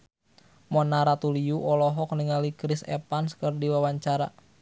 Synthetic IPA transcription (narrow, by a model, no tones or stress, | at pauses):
mɔnaɾat̪uliuʔɔlɔɦɔk̚niŋalikɾisɛ̰panskərdiwawaɲt͡ʃaɾa̰